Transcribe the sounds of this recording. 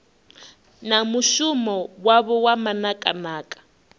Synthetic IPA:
namuʃumɔwaβɔwamanakʼanaːkʼḁ

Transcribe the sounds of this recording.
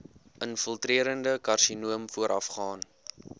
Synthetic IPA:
ʔənfəlˠtriəɾəndəkɐrʃinuəmfuəɾʔɐ̰fχɑːn

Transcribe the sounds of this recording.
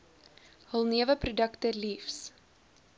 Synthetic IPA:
həlˠniəvəprudəktəlifs

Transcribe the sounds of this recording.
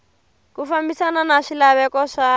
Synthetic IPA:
kufambisananaʂilaβɛkɔʂa

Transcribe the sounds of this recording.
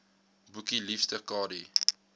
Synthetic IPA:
bukilifstəkɑːɾi

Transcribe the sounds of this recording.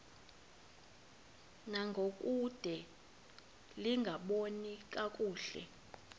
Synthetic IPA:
naŋɡʱokʼud̥ʱɛ | liŋɡʱaɓonik̬ʼak̬ʼuːɬɛ̰

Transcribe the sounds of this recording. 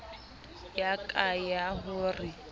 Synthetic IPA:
jakʼajaɦʊːrɪ

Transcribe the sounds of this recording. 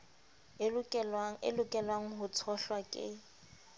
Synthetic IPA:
ɪ̰lʊkʼɛlwaŋ̩ɦʊt͡sʰɔɬwakʼɪ̰

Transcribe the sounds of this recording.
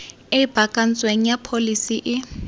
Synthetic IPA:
eib̥ʱakʼan̩t͡sʼweŋ̩japʰolisiʔɪ

